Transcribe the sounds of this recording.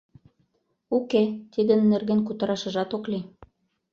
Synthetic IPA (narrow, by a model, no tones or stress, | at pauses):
uket̪id̪ə̆nːerɣenkut̪ɤ̆ɾɑʃə̆ʒɑt̪okli